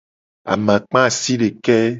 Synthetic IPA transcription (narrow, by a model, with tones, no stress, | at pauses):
a̰˨mã˨k͡pã˦˨si˦ɖe˨kɛ˦